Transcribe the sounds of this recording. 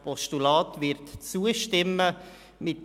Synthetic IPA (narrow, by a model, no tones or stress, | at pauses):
pɔstulɑːtʋɪɾtt͡suəʃtɪmːə | mɪt